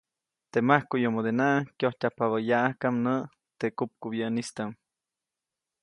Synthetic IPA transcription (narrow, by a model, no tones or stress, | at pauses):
t̪emahkujomod̪enaʔkjoht̪ʲapaβajaʔahkamnəʔ | t̪ekup̚kuβjəʔnist̪am